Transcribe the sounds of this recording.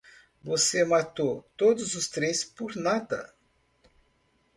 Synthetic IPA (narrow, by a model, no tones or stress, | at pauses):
vosemat̪ot̪od̪ʊzʊst̪ɾespoɾnad̪ɐ̰